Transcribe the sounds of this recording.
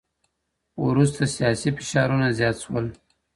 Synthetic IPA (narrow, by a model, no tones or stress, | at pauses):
uɾust̪asijɑsifɪ̥ʃɑɾunazjɑt̪ʃwəl